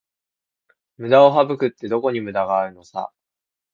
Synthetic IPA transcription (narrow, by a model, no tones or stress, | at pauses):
mɯ̟d̪ao̞ɦabɯ̟kɯ̟t̪ːe̞d̪o̞ko̞ɲ̟imɯ̟d̪aɡaːɾɯ̟no̞sa̰